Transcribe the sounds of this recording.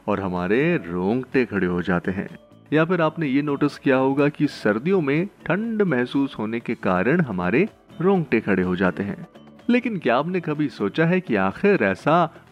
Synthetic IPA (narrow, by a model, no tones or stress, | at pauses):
ɔːɾɦɐmaːɾeɾõːŋɡʈekʰɐɽeɦod͡ʒaːt̪eɦɛ̰̃ː | jafɪɾaːpnejenoːʈɪskijaɦoːɡakisɐɾd̪ijõmẽʈʰɐ̃ɳɖmɛɦsuːsɦoːnekekaːɾəɽ̃ɦɐma̰ːɾe | ɾɔ̃ːŋɡʈekʰɐɽeɦod͡ʒaːt̪eɦɛ̰̃ː | leːkɪnkjaːbnekɐbʱisoːt͡ʃaɦɛkiaːxɪɾɛːsa